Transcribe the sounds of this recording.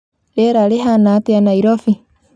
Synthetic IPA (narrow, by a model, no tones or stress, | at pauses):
ɾeɾaɾeɦanateanaiɾɔfi